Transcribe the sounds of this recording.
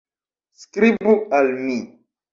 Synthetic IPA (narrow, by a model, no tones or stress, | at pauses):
skɾibualmi